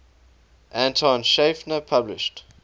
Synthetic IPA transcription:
ʔæ̃ntʰɔ̃nʃefnəpʰablɪ̰ʃt

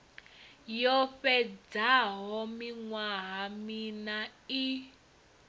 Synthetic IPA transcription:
jɔɸɛd͡zaɦɔmiŋwaɦaminai

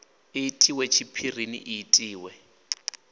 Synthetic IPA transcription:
ɪtʼiwɛt͡ʃʰipʰir̤inḭʔiːtʼiːwɛ

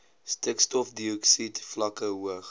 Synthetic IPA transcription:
stəkstɔfdiɔksitflɐkəɦuəχ

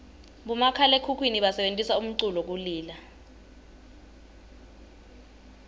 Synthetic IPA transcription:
ɓumakʰalekʰukʰwiniɓasɛɓentʼisaum̩ǀulɔk̬uliːla

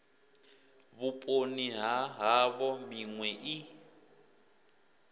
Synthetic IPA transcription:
βupʼoniɦaɦaβɔmiŋwɛʔi

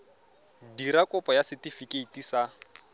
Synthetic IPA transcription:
diɾakʼɔpɔjasɪtifikeitisa

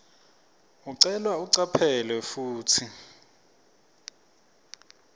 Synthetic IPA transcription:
uǀɛlwauǀapʰɛlwɛfuːtʰi

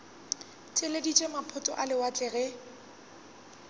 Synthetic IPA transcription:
tʼɪledit͡ʃʼemapʰʊtʼɔ̰ʔalɪwat͡ɬʼɪɣɛ

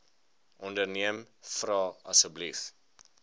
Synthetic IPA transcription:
ʔɔndərniəmfrɑːɐsəblif

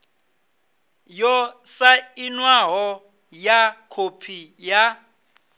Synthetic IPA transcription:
jɔsainwaɦɔ | jakʰopʰija

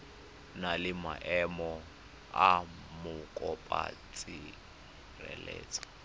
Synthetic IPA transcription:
nalɪma̰ʔɛmɔ | a | mʊkʼɔpʼa̰t͡sʼi | rɛlɛːt͡sʼḁ

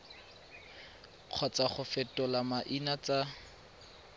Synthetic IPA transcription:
q͡χʰɔt͡saχʊfɛtʼɔlamaʔinat͡sʼa

